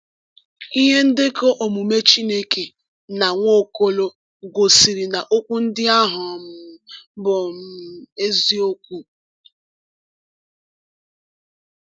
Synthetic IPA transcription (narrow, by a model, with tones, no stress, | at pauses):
i˦ɦe˦n̩˦dɪ˦ko˦ʔo˨mu˨me˦t͡ʃi˦ne˦ke˨ | na˨ŋʷo˦˨ko˦lo˦ | ɡo˨si˨ɾi˨na˨ʔo˦kʷu˦n̩˦dɪ˦a˦ɦʊ˨mʊ˨bɔ˨m̩˦e˦zi˦o˦kʷu˦